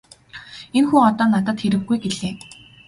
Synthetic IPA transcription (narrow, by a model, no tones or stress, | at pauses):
enxuːɔt̪ɔːnat̪ə̆t̪xeɾɘ̆xɡujɡeɮeː